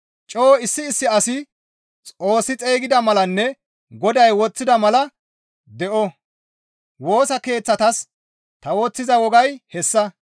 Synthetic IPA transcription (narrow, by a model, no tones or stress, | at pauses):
t͡ʃʼoːɪsːɪːsːɪɐsɪ | t͡sʼo̞ːsːɪt͡sʼeːɡɪd̪ɐmɐlɐnːɛ | ɡɔd̪ɐjwɔt͡sːɪd̪ɐmɐlɐ | d̪ɛʔɔ | wo̞ːsɐke̞ːt͡sːɐt̪ɐs | t̪ɐwɔt͡sːɪzɐwɔɡɐjhɛsːɐ